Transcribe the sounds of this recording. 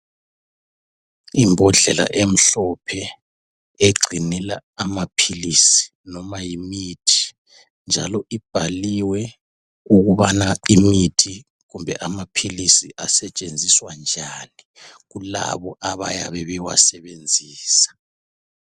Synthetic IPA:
imbʱɔɮɛla̰ʔem̩ɬɔpʰɛ | eɡ͡ǀʱinɛlaamapʰilisi̥ | nɔmajimitʰi̥ | nd͡ʒʱa̰lɔʔib̥ʱaliwɛ | uɣuβanaimitʰi | ɣumbʱɛʔamapʰilisiʔasɛt͡ʃʼend͡zʱiswand͡ʒʱaːni | ɣula̰βɔʔaβa̰ja̰βɛβɛwa̰sɛβend͡zʱiːsḁ

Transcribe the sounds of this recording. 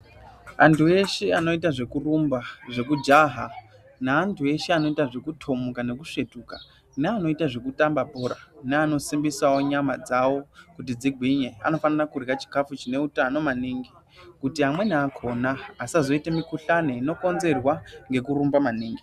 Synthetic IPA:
a̰ntʰue̞ʃeano̞itaʐe̞kurumbaʐe̞kud͡ʒaɦa | naːntʰue̞ʃeano̞itaʐe̞kutʰo̞mukane̞kuʂe̞tuːka | neano̞itaʐe̞kutambapoɾaneano̞simbisawo̞ɲamad͡zawo̞kut̬id͡ziɡʱiɲea̰no̞fanirakurɣat͡ʃi̥kafut͡ʃine̞utano̞maniːŋɡi | kutiamwe̞naːkʰo̞naːsazo̞itemikuɬano̞ino̞ko̞nze̞rwaŋɡe̞kuɾumbamaniːŋɡi

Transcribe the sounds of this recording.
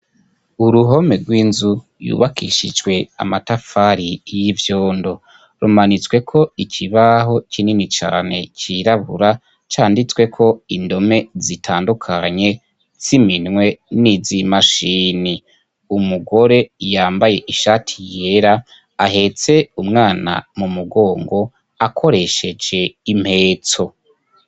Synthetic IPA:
uɾuɦo̞me̞ɾɡwiːnzu | jṵβakḭʃid͡ʒɡwe̞a̰matafaɾijivjoːndo̞ | ɾumanit͡swe̞kʰo̞ikʰiβaɦo̞t͡ʃʰininit͡ʃa̰ːne̞̰t͡ʃiɾaβuɾa | t͡ʃaːndit͡swe̞kʰo̞indo̞me̞zitʰaːndukʰaɲe̞ | ziminŋwe̞nizimaʃini | umuɡo̞ɾe̞jaːmbaje̞ʔiʃaːtʰije̞ɾa | ahe̞t͡se̞umŋaːna̰mumuɡo̞ːŋɡo̞ | akʰo̞ɾe̞ʃe̞d͡ʒe̞im̥he̞ːt͡so̞

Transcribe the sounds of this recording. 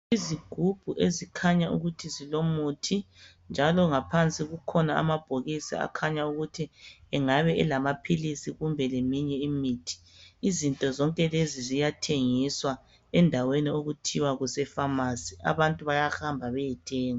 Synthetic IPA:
iziɡ̥ʱub̥ʱuʔezikʰaɲaṵɣutʰizilomutʰi | nd͡ʒʱalɔŋapʰant͡sʼiɣukʰɔnaa̰mab̥ʱoɣisa̰a̰kʰaɲauɣutʰiɛŋaβɛɛlamapʰilisiɣumbʱɛlemiɲɛimiːtʰi̥ː | zintʼɔzɔŋkʼɛlezizijatʰeŋiswa | ɛndʱawenioɣutʰiwaɣusɛfamasi̥a̰βantʼuβajahambʱaβɛjɛtʰɛːŋɔ

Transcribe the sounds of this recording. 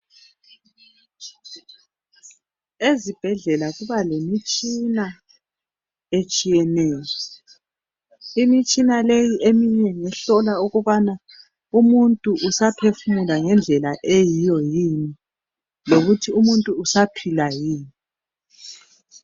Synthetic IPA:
ezib̥ʱɛɮɛlaɣuβalemit͡ʃʼina | et͡ʃʼijɛnɛːjɔ | imit͡ʃʼinalejiʔemiɲɛŋɛɬɔlauɣuβana | umuntʼuʔusapʰefumulaŋɛnd͡ɮʱɛlaʔejijɔjini | loɣutʰiumuntʼuːsapʰilajiːni

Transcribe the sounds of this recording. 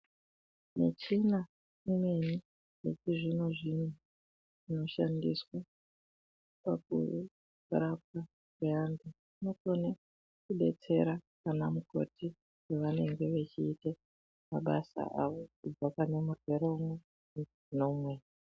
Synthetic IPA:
mḛt͡ʃina | ime̞ni | jekiʐino̞ʐin̤u | ʐ̥ino̞ʃandiswa | pakṵ | uɾap̚ka | keambe | nokone | kuɓe̞̰t͡se̞̰ɾakanamuko̞̰tʰi | keʋane̞ŋɡe̞ʋet͡ʃiːte | maɓasa̰ʔaʋo̞kub͡vakane̞murwe̞ɾome | no̞mwe

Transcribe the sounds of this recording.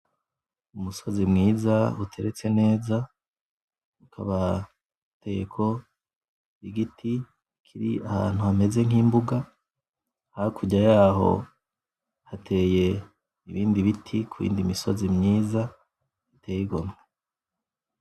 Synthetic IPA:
umuso̞zimŋiːzautʰe̞ɾet͡se̞ne̞ːza | ukʰa̰βa | te̞jekʰo̞ | iɡiti | kʰiɾiaha̰ːn̥huhame̞ze̞ŋiːmbuɡa | hakʰuɟajaːɦo̞̰ | hatʰeːje̞ | iβiːndiβitʰikʰuβḭːndimiso̞̰zimŋiːza | itʰejiɡo̞mŋe

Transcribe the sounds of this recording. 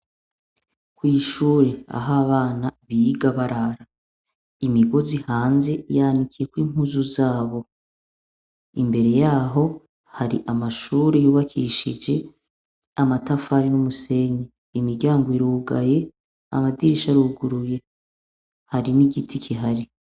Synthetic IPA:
kwiːʃuːɾe̞a̰ɦaβaːnaβiɡaβaɾaɾa | imiɡo̞zihaːnze̞jaːndikʰijekwiːm̥huzuzaːβo̞ | imbe̞ɾe̞jaːɦo̞ | haɾḭʔamaʃuːɾejuːβakʰiʃid͡ʒe̞ | amatafaɾinumuse̞ɲe | imiɾɟaːŋɡo̞iɾuːɡa̰je̞ | a̰madiɾiʃaɾuːɡuɾuje̞ | haɾiniɡitʰikʰiɦaɾi

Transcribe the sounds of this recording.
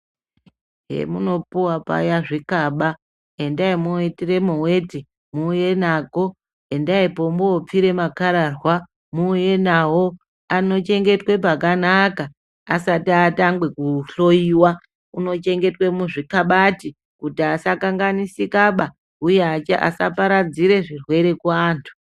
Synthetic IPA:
ɦḛmuno̞puwapa̰jaʐikaɓa | e̞ndaimuwetire̞muwe̞ti | muːje̞nako̞ | e̞ndaipo̞mboːp͡fiɾe̞makaɾarwa | muːje̞nawo̞ | ano̞t͡ʃe̞ŋɡe̞twe̞pakanakaː | satiataŋɡwe̞kuɬo̞iwa | uno̞t͡ʃe̞ŋɡe̞twe̞muʐikaɓati | kutiasakaŋɡanisikaɓa | ujeaaʔa̰sa̰paɾad͡ziɾe̞ʐirwe̞ɾe̞kwaːntʰu̥

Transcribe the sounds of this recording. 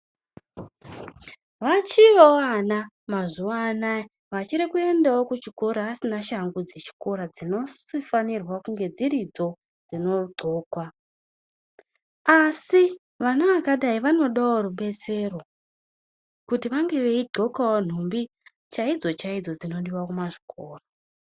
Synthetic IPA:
ʋat͡ʃioana | mazuʋana | ʋat͡ʃiɾikue̞ndawo̞kut͡ʃiko̞ɾaːsinaʃaŋɡud͡ze̞t͡ʃi̥ko̞ɾad͡zino̞sifanirwakuŋɡe̞d͡ziɾid͡zo̞ | d͡zino̞ɡ͡ǃʱoːkwa | asi | ʋanaʋakaɗaiʋano̞ɗawoɾuɓe̞t͡se̞ro̞ | kutiʋaŋɡe̞ʋe̞iɡʱo̞kawon̤umbi | t͡ʃaid͡zo̞t͡ʃaid͡zo̞d͡zino̞ɗiwakumaʐi̥kʰoːra

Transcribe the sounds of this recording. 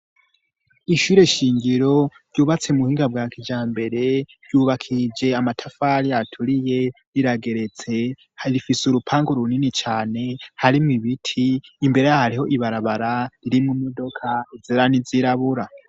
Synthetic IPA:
iʃuːɾe̞ʃiːŋɡiɾo̞ɾjuːβat͡se̞muhiːŋɡabɡaːkʰid͡ʒaːmbe̞ɾe̞ɾjuːβakʰid͡ʒe̞amatʰafaɾijatʰuɾije̞ | ɾiɾaɡe̞ɾe̞t͡se̞ | hɾifisuɾupʰaːŋɡoɾuninit͡ʃaːne̞haɾimŋiβitʰiːmbe̞ɾe̞jahaɾiho̞ʔiβaɾaβaɾaɾiɾimŋumodo̞kʰaizeɾaniziɾaβuɾa

